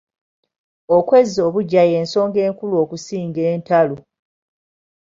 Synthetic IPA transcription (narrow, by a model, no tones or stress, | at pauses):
okwe̞zːo̞ːβuɟaje̞ːnso̞ːŋɡe̞ːŋkuluo̞ːkusiːŋɡe̞ːntalu